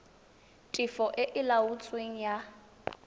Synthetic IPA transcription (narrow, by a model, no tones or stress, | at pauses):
tʼɪfɔʔɪʔɪlaut͡sʼweŋ̩ja